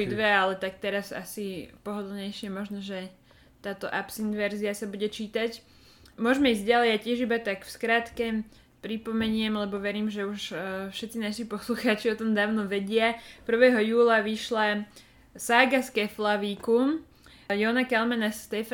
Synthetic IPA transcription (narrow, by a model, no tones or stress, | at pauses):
id̪ʋɛalɛt̪ak̚t̪ɛɾasa̰sipɔɦɔd̪lˠɲɛjʃɪɛmɔʒnɔʒɛ | t̪aːt̪ɔʔapsinʋɛɾziasabuɟɛt͡ʃiːt̪ac | mʊɔʒmɛiːzɟɟalɛjacɪɛʒibat̪akfskɾaːt̪kɛ | pɾipɔmɛɲɪɛmlɛbɔʋɛɾiːmʒɛuʃfʃɛt̪t͡sinaʃipɔsluxaːt͡ʃiɔt̪ɔmd̪aːʊnɔʋɛɟɪapr̩ʋɛɦɔjuːlaʋiʃla | saɡaskɛflaʋiːkum | jɔnakɛlmanast̪ɛf